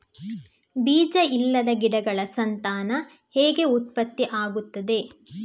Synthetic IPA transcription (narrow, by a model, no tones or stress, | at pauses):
biːd͡ʒɐilːɐd̪ɐɡiɽɐɡɐɭɐsɐnt̪aːnɐ | heːɡe̞ut̪̚pɐt̪ːiʔaːɡut̪ːɐd̪e̞